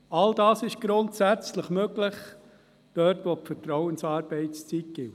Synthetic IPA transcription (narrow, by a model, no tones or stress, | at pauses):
ɑld̥ɑːsɪʃɡ̥ɾʊntsæt͡sləχmøɡlɪχ | d̥œɾtʋopfəɾtɾɔwənsɑːɾb̥ɛɪtst͡sitɡ̥ɪw